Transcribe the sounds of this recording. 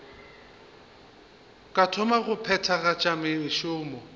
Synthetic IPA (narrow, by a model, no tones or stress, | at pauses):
kʼatʰɔmaɣʊpʰɛtʰaɣat͡ʃʼamɪɪʃʊːmɔ